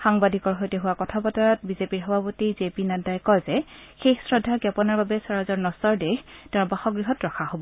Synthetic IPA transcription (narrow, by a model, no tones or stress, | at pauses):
xaŋbadʱikɔɹɦojtɛɦʊwakɔtʰapɔtaɹɔt̚bizepiɹɦɔbʱapotizepinatajkɔzɛxexsɹɔdʱːakjapɔnaɹbabɛsaɹazɔɹnɔsɔɹdɛxteʊ̃ɹbaxɔɡɹiɦɔtɹɔkʰahobɔ